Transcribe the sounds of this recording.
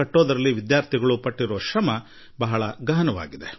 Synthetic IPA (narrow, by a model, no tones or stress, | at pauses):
ɐʈːoːd̪ɐɾɐlːiʋid̪jaːɾt̪ʰiɡɐɭupɐʈːiɾɔʋʃɾɐmɐ | bɐɦɐɭɐɡɐɦɐnɐʋa̰ːɡid̪e̞